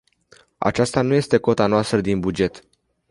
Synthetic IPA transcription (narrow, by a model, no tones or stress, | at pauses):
a̰t͡ʃast̪anuje̞st̪e̞ko̞t̪anoast̪ɾəd̪inbud͡ʒe̞t̪